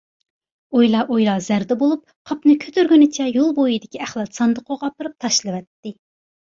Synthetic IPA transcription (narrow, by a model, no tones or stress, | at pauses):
ojlˠɑʔojlˠɑzæɾd̪ɛbolˠup̚qʰɑpnɨkʲʰøt̪ʰyɾɡʲynɪt͡ʃʰɛjolˠbojid̪ɪkʲiæχlˠɑt̪sɑnd̪əqʰoʁɑpɨɾɨp̚t̪ʰɑʃlˠɨwɛt̪ːɪ